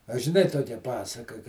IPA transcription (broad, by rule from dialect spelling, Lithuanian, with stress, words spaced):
ɐ ʒʲɪˈnɐɪ ˈtoːkʲɛ ˈpɑːsɐkɐ kɐ